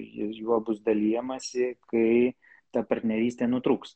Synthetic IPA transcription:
jɪsjuɔbʊsd̪ɐlʲiːjɛmɐsʲɪkɐɪ | t̪ɐpɐɾʲt̪ʲnʲɛɾʲiːsʲt̪ʲeːnʊt̪ɾuːks

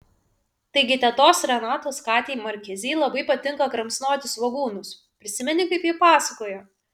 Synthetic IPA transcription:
t̪ɐɪɡʲɪt̪ʲɛt̪oːsɾʲɛnɑːt̪oːskɑːt̪ʲiːmɐɾʲkʲɛzʲiːlˠɐbɐɪpɐt̪ʲɪŋkɐkɾɐmʲsnoːt̪ʲɪsʋɐɡuːnʊs | pʲɾʲɪsʲɪmʲɛnʲɪkɐɪpjiːpɑːsɐkoːjoː

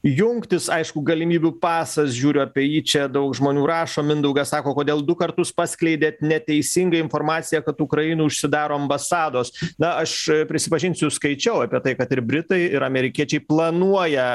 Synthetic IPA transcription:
jʊŋkt̪ʲɪsɐɪʃkʊɡɐlʲɪmʲiːbʲupɑːsɐsʒʲuːɾʲʊɐpʲɛjiːt͡ʃʲɛd̪ɐʊkʒmoːnʲuːɾɑːʃoːmʲɪnd̪ɐʊɡɐsɑːkoːkoːd̪ʲeːlˠd̪ʊkɐrt̪ʊspɑːsʲklʲɛɪd̪ʲeːt̪nʲɛt̪ʲɛɪsʲɪŋɡɐɪnfoːɾmɑːtt͡s̪ʲɪjɛkɐt̪ʊkɾɐjɪnuːʊʃʲsʲɪd̪ɑːɾoːɐmbɐsɑːd̪oːsnɐɐʃpʲɾʲɪsʲɪpɐʒʲɪnʲsʲʊskɐɪt͡ʃʲɛʊɐpʲiɛt̪ɐɪkɐt̪ɪɾbʲɾʲɪt̪ɐɪɪɾɐmʲɛɾʲɪkʲiɛt͡ʃʲɛɪplˠɐnuɔjɛ

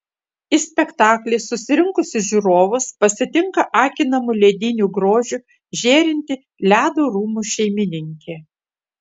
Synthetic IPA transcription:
ɪsʲpʲɛkt̪ɑːklʲeːsʊsʲɪɾʲɪŋkʊsʲɪʒʲuɾoːʋʊspɐsʲɪt̪ʲɪŋkɐʔɑːkʲɪnɐmʊlʲeːd̪ʲɪnʲuːɡɾoːʒʲu | ʒʲeːɾʲɪnʲt̪ʲɪ | lʲæːd̪oːɾuːmuːʃʲɛɪmʲɪnʲɪŋʲkʲeː

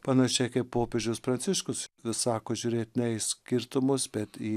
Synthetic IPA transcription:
pɐnɐʃʲɛɪkɐɪppoːpʲeʒʲʊspɾɐnʲsʲɪʃkʊssɑːkoːʒʲuːɾʲeːt̪ʲnʲɛɪsʲkʲɪɾt̪ʊmʊsbʲɛt̪iː

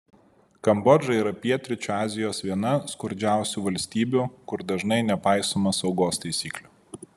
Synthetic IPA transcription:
kɐmbɔd͡ʒɐiːɾɐpʲiɛt̪ʲɾʲɪt͡ʃʲuːɑːzʲɪjoːsʋʲiɛnɐskʊɾʲd͡ʒʲæˑʊsʲuːʋɐlʲsʲt̪ʲiːbʲukʊɾd̪ɐʒnɐɪnʲɛpɑˑɪsoːmɐsɒʊɡoːst̪ɐɪsʲiːklʲʊ

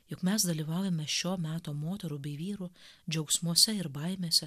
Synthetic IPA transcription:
jʊkmʲɛsd̪ɐlʲiːʋɑʊjɛmʲɛʃʲoːmʲæːt̪oːmoːt̪ʲɛɾubʲɛɪʋʲiːɾuːd͡ʒʲɛʊksʲmuɔsʲɛɪɾbɐɪmʲeːsʲɛ

